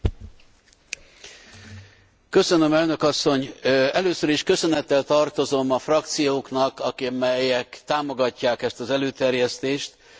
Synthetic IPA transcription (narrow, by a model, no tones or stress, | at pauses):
kø̞sø̞nø̞mɛlnø̞kɒsːo̞ɲɛløːsøɾiʃkø̞sø̞nɛt̪ːɛlt̪ɒrt̪o̞zo̞mɒfrɒk̚t̪sijoːknɒkɒkmɛjɛkt̪aːmo̞ɡɒcːaːkɛst̪ɒzɛløːt̪ɛrjɛst̪eːʃt̪